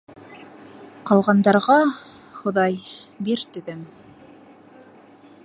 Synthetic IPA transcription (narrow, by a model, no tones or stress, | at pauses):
qɑlˠʁɑnd̪ɑɾʁɑ | χŏðɑjbiɾt̪ɵ̆ðɘm